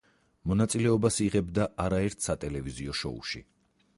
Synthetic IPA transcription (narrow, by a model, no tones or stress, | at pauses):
mɔnat̪sʼilɛɔbasiʁɛbd̪aʔaɾaɛɾt̪ʰsat̪ʼɛlɛviziɔʃɔ̰ṵʃḭ